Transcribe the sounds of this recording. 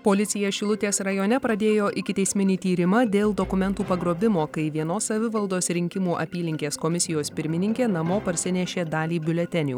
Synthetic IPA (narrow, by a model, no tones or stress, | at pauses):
poːlʲɪt̪sʲɪjɛʃʲɪlˠʊt̪ʲeːsɾɐjoːnʲɛpɾɐd̪ʲeːjoːʔɪkʲɪt̪ʲɛɪsʲmʲɪnʲiːt̪ʲiːɾʲɪmɐd̪ʲeːlˠd̪okʊmʲɛnt̪uːpɐɡɾoːbʲɪmoːkɐɪʋʲiɛnoːsːɐʋʲɪʋɐlˠd̪oːsɾʲɪŋʲkʲɪmuːʔɐ̰pʲiːlʲɪŋʲkʲeːskomʲɪsʲɪjoːspʲɪɾʲmʲɪnʲɪŋʲkʲeːnɐmoːpɐɾʲsʲɪnʲɛʃʲeːd̪ɑːlʲiːbʲʊlʲɛt̪ʲɛnʲuː